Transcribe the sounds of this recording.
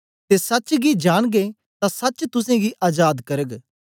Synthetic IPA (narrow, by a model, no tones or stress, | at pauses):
t̪esɐt͡ʃɡid͡ʒaːɽ̃ɡe | t̪ãsɐt͡ʃt̪ʊsẽɡiʔaːd͡ʒaːd̪kɐɾəɡ